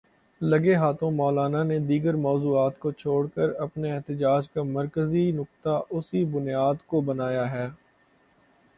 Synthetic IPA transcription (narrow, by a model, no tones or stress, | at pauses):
lɐɡeɦaːt̪õmɔːlaːnaned̪iːɡəɾmɔːzuːaːt̪kot͡ʃʰoːɽkəɾɐpneɛɦt̪əd͡ʒaːd͡ʒkamɐɾkəzinʊk̚t̪aʔʊsibʊnijaːd̪kobɐnaːjaɦɛː